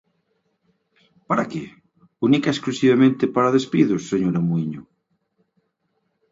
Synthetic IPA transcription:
paɾake | unikaesklusiβamẽnt̪epaɾaðespiðʊsːeɲoɾamuiɲʊ

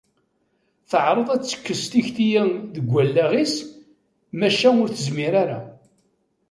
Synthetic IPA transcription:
θəʕɾˤəðˤæt͡sːə̥kːəst̪içt̪ijæŋðəɡʷːælːæʁis | mæʃænʊɾθəzmiɾaɾa

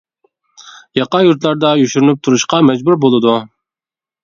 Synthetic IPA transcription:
jɑqɑjuɾt̪lˠɑɾd̪ɑjyʃyɾynyp̚t̪ʰuɾuʃqɑmɛd͡ʒbuɾbolˠɨd̪u

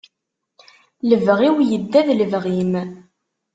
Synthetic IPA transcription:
ləvʁiwjəd̪ːæðləvʁim

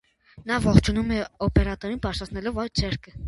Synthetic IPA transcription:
nɑvɔχt͡ʃʰunumɛɔpɛɾɑt̪ɔɾinpɑɾsʰɑt͡sʰnɛlɔvɑjt͡sʰɛɾkʰə

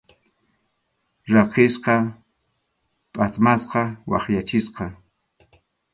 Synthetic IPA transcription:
ɾɑqɪsqɑ | pʼat̪masqɑwɑ̰χjat͡ʃɪsqɑ

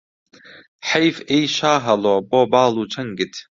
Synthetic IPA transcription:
ħejfejʃaːɦɐloːboːbaːlˠuːt͡ʃʰɐŋɡɪt̪ʰ

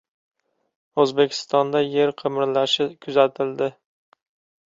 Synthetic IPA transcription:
ɵzbekʲʰɪ̥st̪ɒnd̪aje̞ɾqʰɨmɪɾlaʃɪkʰʊzat̪ʰɪld̪ɪ

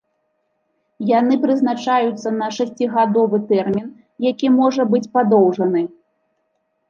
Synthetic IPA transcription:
janɨpɾɨznat͡ʂajut̪sːɐnɐʂasʲt͡sʲiɣad̪ɔvɨt̪ɛrmʲin | jakʲimɔʐɐbɨt͡sʲpad̪ɔwʐɐnɨ

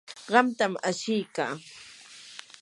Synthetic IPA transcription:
ɢɑmt̪amaʃɪjka̰ː

